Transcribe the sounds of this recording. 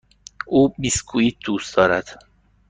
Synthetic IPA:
ʔuːmiskʰuiːt̪̚d̪̥uːst̪d̪ɒːɾæd̪̥

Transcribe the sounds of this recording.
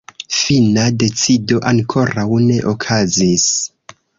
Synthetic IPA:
finade̞t͡sido̞ʔaŋkʰo̞ɾawne̞ʔokʰazis

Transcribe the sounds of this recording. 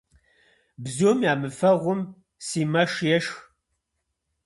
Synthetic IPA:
bzoːmjaːmɨfɐʁʷʊm | siːmɐʂjɛʂ

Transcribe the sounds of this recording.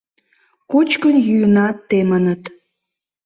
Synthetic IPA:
kut͡ɕkənjyjənɑt̪ːemənət̪

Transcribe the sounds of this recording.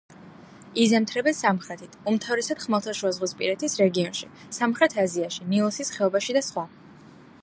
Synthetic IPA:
izɛmt̪ʰɾɛbɛnsamχɾɛt̪ʰit̪ʰumt̪ʰavɾɛsad̪̥χmɛlˠt̪ʰaʃuazʁwispʼḭɾɛt̪ʰisɾɛɡiɔnʃi | samχɾɛt̪ʰaziaʃinilˠɔsisχɛɔbaʃid̪asχwa

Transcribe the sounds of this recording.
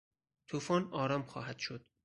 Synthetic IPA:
t̪ʰuːfɒːnɒːɾɒːmχɒ̰ːhæd̪̥ʃod̪̥

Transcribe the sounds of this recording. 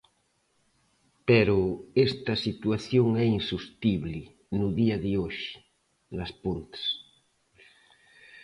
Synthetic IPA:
pɛɾʊest̪ɐsit̪uaθjoŋɛinsust̪iβlɪ | nuðiɐðɪoʃɪ̥ | nɐspont̪ḁs

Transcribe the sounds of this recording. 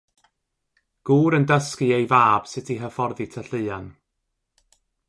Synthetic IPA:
ɡ̥uːɾəndəskɨejvaːb̥sɪtʰiɦəfɔrðitʰəɬɨɨan

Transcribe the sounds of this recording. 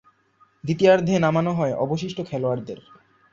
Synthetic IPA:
d̪it̪iaɾd̪ʱenamanoɦɔeʔɔboʃ̬iʃʈokʰɛloaɾd̪eɾ

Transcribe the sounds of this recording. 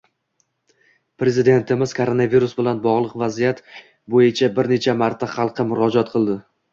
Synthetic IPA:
pɾe̞zɪd̪e̞nt̪ʰɪmɪz̥kʰoɾonaviɾusbɪlanbɒʁlˠɨqvazijat̪ | bojɪt͡ʃʰabɪɾne̞t͡ʃʰamaɾt̪ʰaχɑlˠqʰɨmʊɾɒd͡ʒɒt̪qʰɨlˠd̪ɪ

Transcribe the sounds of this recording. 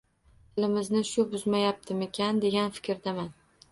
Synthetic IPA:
t̪ʰɪlɪmɪznɪʃʊbʊzmajap̚t̪ʰɪme̞kʲʰand̪e̞ɡʲanfɪ̥kʲɾd̪aman

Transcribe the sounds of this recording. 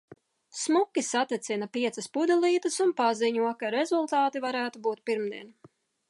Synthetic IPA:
smukʲisat̪ɛt̪sinapiɛt̪sɐspud̪ɛlˠiːt̪ɐsunpaziɲuɔkaɾezulˠt̪aːt̪ivaɾæːt̪ubuːt̪̚piɾmd̪iɛn

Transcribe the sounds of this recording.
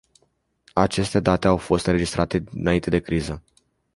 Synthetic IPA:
at͡ʃe̞st̪e̞d̪at̪e̞awfo̞st̪ɨnɾe̞d͡ʒist̪ɾʔat̪e̞ɨnaint̪e̞d̪e̞kɾizə

